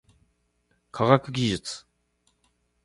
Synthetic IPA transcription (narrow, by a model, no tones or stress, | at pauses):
kʰaɡakɯ̟ɡʲiʑɨt͡sɨ̥